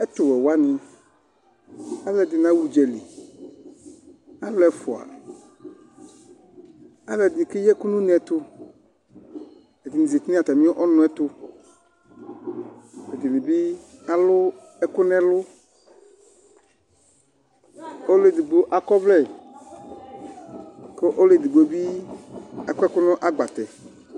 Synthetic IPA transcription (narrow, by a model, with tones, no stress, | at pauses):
ɛ˦t̪ʊ˨wɛ˨wa˦nɪ̃˨ | a˦lɛ˨d̪ɪ˨nã˨˦wu˨d͡ʒɛ˨li˨ | a˦lʊ˦ɛ˨fʊ˨a̰˨ | a˦lɛ˨d̪ɪ˨kɪ˦jɛ˦kʊ˦nũ˦nɛ˨t̪ʊ˦ | ɛ˨d̪ɪ˨nĩ˨zi˨t̪nĩ˦a˨t̪a˨mĩ˦ʔɔ˦nʊ̃˦ɛ˦t̪ʊ˦ | e˨d̪i˨li˨bi˦a˨lʊ˦ | ɛ˦kʊ˦nɛ̃˦lʊ˦ | o˦le˨d̪i˨ɡ͡bo˦ʔa˨kɔ˦vlɛ˦˨ | ke˦ʔo˦le˨d̪i˨ɡ͡bo˨bi˦ | a˨kɛ˦kʊ˦nɔ̃˦ʔa˦ɡ͡ba˨t̪ɛ˨